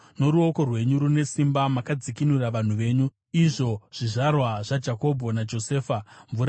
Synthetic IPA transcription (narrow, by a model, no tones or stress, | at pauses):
no̞ɾuo̞ko̞rwe̞ɲuɾune̞simbamakad͡zikinuraʋan̤uʋe̞ːɲu | iʐo̞ʐ̥iʐarwaʐad͡ʒako̞bʱo̞nad͡ʒo̞se̞ːfaɱvuɾa